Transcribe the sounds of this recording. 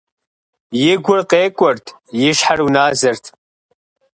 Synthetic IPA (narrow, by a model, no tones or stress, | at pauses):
jɪɡʷʊrqʼeːkʷʼɔrtʰʼ | jɪʂħarunaːzɐrtʰ